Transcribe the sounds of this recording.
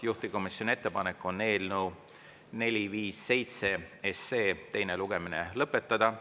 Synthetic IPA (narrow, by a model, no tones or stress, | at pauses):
juht̪iko̞misjo̞nie̞t̪ːe̞pɑne̞kːˑo̞nːe̞ːlnuw | ne̞lʲiviːsːe̞jt̪se̞eseːt̪e̞jneluɡ̥e̞mine̞lɤpːˑe̞t̪ːˑɑd̪ɑ